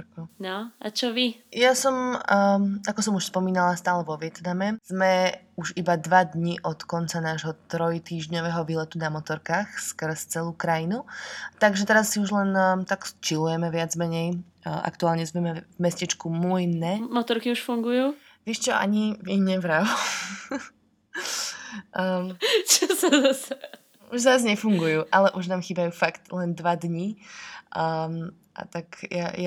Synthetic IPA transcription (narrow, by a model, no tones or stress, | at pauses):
ɾkɔʊnɔat͡ʃɔʋijasɔm | akɔsɔmuʃspɔmiːnalast̪aːlɛʋɔʋɪɛt̪namɛz̥mɛ | uʒibad̪ʋad̪ɲiʔɔt̪kɔnt͡sanaːʒɦɔt̪ɾɔjt̪iːʒɲɔʋɛɦɔʋiːlɛt̪unamɔt̪ɔɾkaːxskəɾst͡sɛluːkɾajinut̪aɡʒɛt̪ɛɾasːiuʒlɛnt̪akst͡ʃilujɛmɛʋɪad͡zmɛɲɛj | ʔa̰kt̪uaːlɲɛzmɛmɛvmɛscɛt͡ʃkumujnːɛmɔt̪ɔɾkiuʃfuŋɡujuː | ʋɛːʃt͡ʃɔa̰ɲiviɲɛʋɾau | t͡ʃɔsɛzasɛ | uʒzazɲɛfuŋɡujuːʔalɛʔuʒnaːmxiːbajuːfakt̪lɛnd̪ʋad̪ɲiː | ʔa̰t̪akjaja